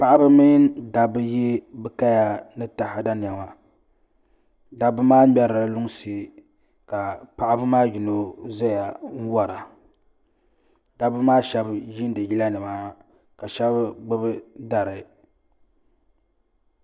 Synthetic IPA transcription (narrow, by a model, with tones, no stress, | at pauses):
pa˦ʔa˦bɨ˦mi˦da˨bɨ˦je˦bɨ˦ka˦ja˦nɨ˦ta˨ha˨da˦n˨a˨ma˨ | da˨bɨ˦maː˦mɛ˨ɾa˨˦lʊ˦ŋ˦si˦ | ka˨pa˨ʔa˦bɨ˦maː˦ji˨no˨za˦ja˨n̩˦wa˦ɾa˨ | da˨˦bɨ˦maː˦ʃɛ˦bji˦n˦dɨ˨ji˦la˦nɨ˨ma˦ | ka˨ʃɛ˦bɡ͡bɨ˦bɨ˦da˨ɾɨ˨